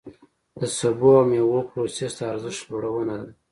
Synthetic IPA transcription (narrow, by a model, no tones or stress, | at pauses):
d̪̥əsaboawmeɣopɾosesd̪aːɾzɪʃt̪loɽawənad̪a